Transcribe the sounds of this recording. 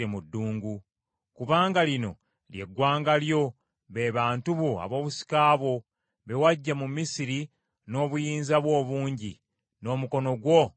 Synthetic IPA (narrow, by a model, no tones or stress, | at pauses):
emudːuːŋɡu | kuβaːŋɡalino̞̰ | lje̞̰ɡːwaːŋɡaljo̞ | βe̞ːβaːntuβoa̰βo̞ːβusi̥kaːβwo̞ | βe̞waɟːamumisiɾi | no̞ːβujiːnzaβwo̞ːβuːɲɟi | no̞ːmuko̞no̞ɡwo̞